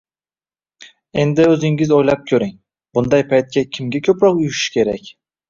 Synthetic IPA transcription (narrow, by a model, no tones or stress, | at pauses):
e̞nd̪ɪɵzɪŋɪzojlap̚kʲʰɵɾɪŋ | bʊnd̪ajpʰajt̪̚kʲakʲʰɪmɡʲakʲʰɵpɾɒqʊjʊʃɪ̥ʃkʲe̞ɾakʲ